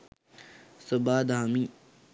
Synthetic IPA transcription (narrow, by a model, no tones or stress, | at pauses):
sɐbaːd̪aːmi